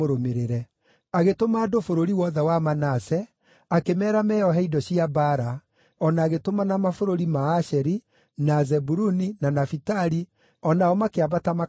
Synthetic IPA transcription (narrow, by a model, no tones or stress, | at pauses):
oɾomeɾeɾɛ | aɣetomaːdofoɾoɾiwɔðɛwamanasɛ | akemɛɾamɛːɔɦɛidɔɕiabaɾa | ɔnaːɣetomanamafoɾoɾimaːʃɛɾi | nazɛbuɾuninanafitaɾi | ɔnaɔmakeaβatama